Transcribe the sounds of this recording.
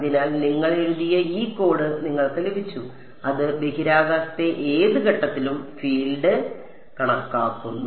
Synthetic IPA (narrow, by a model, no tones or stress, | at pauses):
ɐðinaːlniŋːɐɭeɻuðijɐiːkːo̞ːɽɨniŋːɐɭt̪ɐlɐbit͡ɕːu | ɐðɨbe̞ɦiɾaːɣaːsɐt̪e̞ʔeːðɨɣɐʈːɐt̪ːilumfiːɭɖɨ | kɐɳɐkːaːkːunː